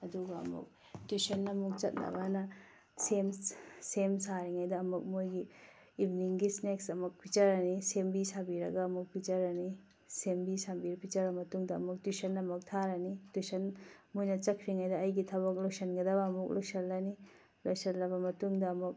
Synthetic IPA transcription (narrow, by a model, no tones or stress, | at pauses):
ɐduɡɐɐ̰mṵk̚ | tusɐnːɐmuk̚t͡ʃɐt̚nɐ̰ɡanɐ | semsemsaɾiŋajdɐːmuk̚mojɡiː | bniŋɡisneksɐmɐk̚pʰit͡ʃɐɾɐnisembisabiɾɐ̰ɡaːmuk̚pʰit͡ʃɐɾɐni | sembisabiɾpʰit͡ʃɐɾɐmɐtuŋdɐɐ̰muk̚tusɐnːɐmɐk̚tʰaɾɐnitusɐnmojnɐt͡ʃɐkʰɾiŋajdɐːjɡitʰɐbɐk̬̚loksɐnɡɐdɐbɐːmuk̚lojsɐlːɐni | lojsɐlːɐbɐmɐtuŋdɐːmɐk̚